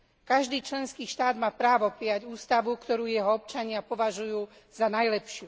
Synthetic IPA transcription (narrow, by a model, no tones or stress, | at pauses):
kaʒd̪iːt͡ʃlɛnskiːʃt̪aːd̪maːpɾaːʋɔpɾijaɟuːst̪aʋukt̪ɔɾuːjɛɦɔɔp̚t͡ʃaɲɪapɔʋaʒujuː | zanajlɛpʃɪu